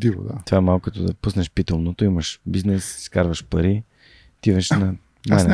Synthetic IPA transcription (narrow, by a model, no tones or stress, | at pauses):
d̪ivo̰d̪a̰t̪o̥vaɛmalˠkʊkɐt̪ɔd̪ɐpusnɛʃpit̪omnot̪oimɐʃbiznɛsskaɾvɐʃpɐɾi | t̪ivəʃnɐ | najn